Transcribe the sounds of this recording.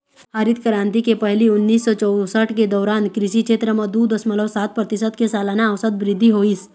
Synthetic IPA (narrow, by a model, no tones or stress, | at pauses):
aːɾɪt̪kəɾãːnt̪ikepɛɦliʊnːiːsːɔt͡ʃɔw̪səʈʰked̪ɔːɾaːnkɾɪʃit͡ʃʰeːt̪ɾəmɐ̃d̪ud̪əsmələsaːt̪̚pɾɐt̪ɪsət̪kesaːlaːnaːʋsəd̪̚bɾɪd̪ʱːiɦoːis